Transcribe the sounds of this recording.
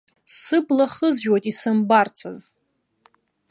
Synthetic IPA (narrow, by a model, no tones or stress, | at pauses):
sɨblaχəzʒᶣojtʼisɨmbart͡sʰa̰z